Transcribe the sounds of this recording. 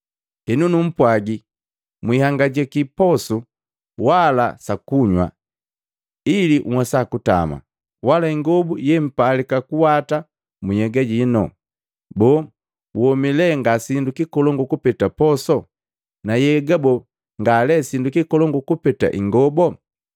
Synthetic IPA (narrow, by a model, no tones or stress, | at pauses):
kɛnunum̩pwaɡi | mwihaŋɡaɟɛkipɔsu | walasakuɲwa̰ | iliʔmwasakuta̰ma̰ | walaiŋɡɔbujɛm̩palikakuwata | mujɛɡaɟinɔ̰ | bɔ | wwɔmilɛŋɡasindukikɔlɔŋɡukupɛtapɔsɔ | najɛɡabɔ | ŋɡalɛsindukikɔlɔŋɡukupɛta̰ʔiŋɡɔbɔ